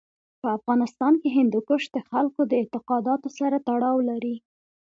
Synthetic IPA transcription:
pəafɣɑnɪst̪ɑnkeɦɪnd̪ukəʃd̪əxalkod̪əɪt̪ɪqɑd̪ɑt̪osaɾat̪aɽɑwlaɾi

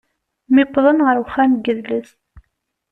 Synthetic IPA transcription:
mɪqːðˤənʁəɾwχːæmɡəðləs

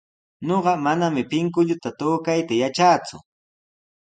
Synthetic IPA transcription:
ɲoɢɑmanamɪpɪŋk̬ʊʎʊt̪at̪oːkajt̪ajat͡ʃaːt͡sʊ̰

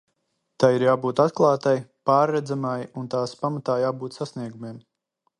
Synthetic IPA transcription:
t̪ajiɾjaːbuːt̪at̪klˠaːt̪ajpaːɾːɛd̪zamajunt̪aːspamat̪aːjaːbuːt̪sasniɛɡumeɛm

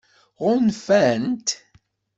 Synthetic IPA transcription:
ʁʊnfænt̪

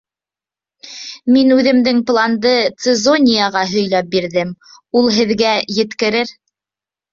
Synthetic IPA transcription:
minʉðɘ̆md̪ɘŋplˠand̪ɤt̪sɘzonʲijaʁɑɦɵ̆jlæp̚biɾðɘm | ulˠɦɘ̆ðɡæjɘ̆t̪kɘ̆ɾɘɾ

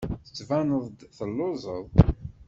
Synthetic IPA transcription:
θə̥t͡sːvænəðˤd̪θəlːozˤəðˤ

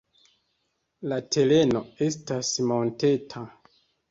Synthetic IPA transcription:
late̞le̞no̞estasmo̞nte̞tʰa

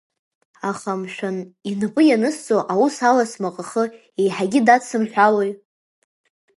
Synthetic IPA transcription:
aχamʃᶣaninɨpʼɨjanɨst͡sʼoʔawusalasmaqʼaχə | ejħaɡʲɪdat͡sʰɨmħʷᶣalej

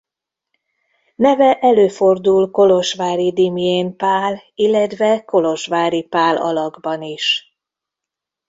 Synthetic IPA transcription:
nɛvɛʔɛløːfo̞rd̪ulko̞lo̞ʃʋaːɾid̪imieːnpaːlilːɛt̪ʋɛko̞lo̞ʃʋaːɾipaːlɒ̰lɒɡbɒniʃ

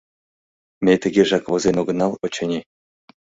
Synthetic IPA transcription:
mʲet̪ə̆ɡʲeʒɑkʋŏzenoɡɤ̆nɑlˠot͡ɕenʲe

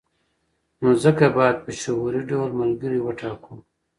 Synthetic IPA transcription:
noːzəkabɑːd̪̚pəʃaɦuɾiɖawlmɐlɡəɾiwəʈaːkuː

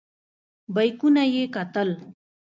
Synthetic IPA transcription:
bəjkunajekat̪əl

